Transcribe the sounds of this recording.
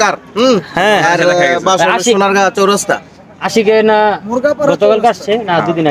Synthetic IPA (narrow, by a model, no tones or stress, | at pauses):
kaɾ | hɛ̃ɛɾbaʃoaionaɾɡat͡ʃowɾost̪a̰ | aʃikenamuɾɡapaɾɡɔt̪okalkast͡ɕʰenad̪ujd̪ina